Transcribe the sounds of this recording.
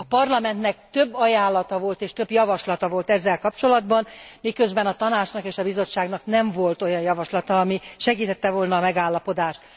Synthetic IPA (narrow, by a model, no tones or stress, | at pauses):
ɒpɒrlɒmɛnt̪nɛkt̪ø̞bːɒjaːlːɒt̪ɒvo̞lt̪eːʃt̪øbjɒvɒʃlɒt̪ɒvo̞lt̪ɛzːɛlkɒpt͡ʃo̞lɒd̪bɒnmikø̞zbɛnɒt̪ɒnaːt͡ʃnɒkeːʃɒbizo̞t͡ʃːaːɡnɒknɛɱvo̞lt̪o̞jɒnjɒvɒʃlɒt̪ɒːmiʃɛɡiːt̪ɛt̪ːɛvolnɒːmɛɡaːlːɒpo̞d̪aːʃt̪